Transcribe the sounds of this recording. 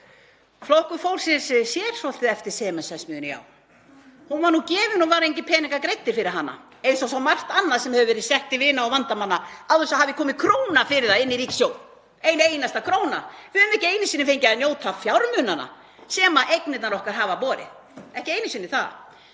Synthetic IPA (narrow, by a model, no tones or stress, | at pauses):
flohkʏɾfowlsɪnsɪsjɛɾ̥sɔlt̪ɪðɛft̪ɪɾ̥sɛːmasɛsmjʏːʏnja̰ːw | hunvanucɛːvɪnunvaːɾejɲcɪpʰɛːnɪŋkakɾejt̪ːɪɾ̥fɪɾɪɾɦanːa̰ | ejsawsθawmar̥t̪anːaðsɛmhɛvʏvɛːɾɪðsɛht̪ɪvɪːnaawvant̪amanːaaðɛsahavɪkʰɔːmɪkʰɾoːwnafɪɾɪðθaðɪnːiɾiːcsjoːw | eːjnejnast̪akʰɾoːwna̰vɪðʏːmɛhcɪeːjnɪsiːnɪfejɲcɪaðnjoːwt̪ʰafjawɾmʏnana̰ | sɛːmaʔejknɪt̪naɾɔhkaɾɦaːvapɔːɾɪ̰ð | ɛhcɪeːjnɪsiːnːɪθa̰ð